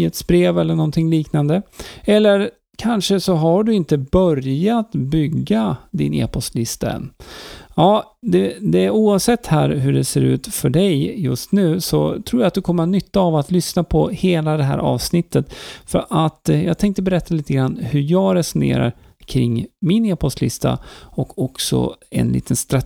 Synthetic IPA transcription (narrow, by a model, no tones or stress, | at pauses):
ət̪sbɾeːvɛlːəɳɔnt̪ʰɪŋliːknand̪əɛlːəɾ | kʰanʂəsɔɦaɖɵɪnt̪əbœɾjat̪bʏɡːad̪ɪ̰nḛːpʰɔst̪lɪst̪aɛ̰nː | ɑː | d̪ɛd̪ɛæɾuːavsɛt̪ːhæːɾɦɵɖɛseːɾʉ̟ːt̪fœɖɛjjɵst̪nʉ̟ːsɔ̰t̪ʰɾuːɾjat̪̚d̪ɵkʰɔmːəɾanʏt̪ːaːvat̪lʏsnapʰɔheːlad̪ɛɦæ̰ːɾʔɑ̰ːvsnɪt̪ːət̪fœɾʔat̪jɑːɡt̪ʰɛŋkt̪əbɛɾɛt̪ʰːaliːt̪əɡɾanːhɵɾjɑːɡɾɛsʊnḛːɾa̰ɾ | kʰɾɪŋːmɪneːpʰɔst̪lɪst̪ʰa̰ɔkʰɔksɔ̰ɛ̰nlʔḭːt̪ʰənst̪ɾa